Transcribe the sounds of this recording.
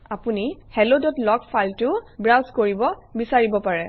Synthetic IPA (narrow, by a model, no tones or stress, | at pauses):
apunihɛlodɔtlɔkpʰaltʊbɹawskoɹibɔbisaɹibɔpaɹɛ